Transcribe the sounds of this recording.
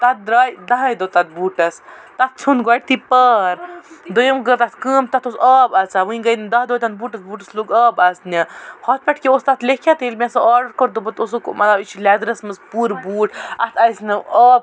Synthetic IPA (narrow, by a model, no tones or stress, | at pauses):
t̪ɐt̪̚ːɾaːjd̪ɐɦɐjd̪ot̪ɐt̪̚buːʈɐst̪ɐt̪̚t͡sʰunɡaːʈ̚t̪ipəɾd̪ojɐmɡəɾt̪ɐt̪ʰkɨːmt̪ɐt̪ʰosɐːbɐt͡saʋɨĩɡɐjnd̪ɐɦd̪oːjt̪ɐnbuːʈɐsbuːʈɐsloːɡɐːbɐsnʲɐhɔt̪̚pʲɐʈʰkeost̪ɐt̪ʰlekʰjat̪elʲmʲɛ̃sɐaːɾɖɐɾkɔɾd̪obɐt̪os̬okmʔɐt̪ɐbit͡ʃʰilɛːd̪ɾɐsmɐspuːɾbuːʈɐ̰t̪ʰɐjsnɨəːb̚